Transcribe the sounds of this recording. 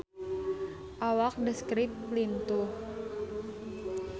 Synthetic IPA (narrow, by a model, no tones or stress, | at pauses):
ʔawak̚dəskɾɪp̪̚lint̪u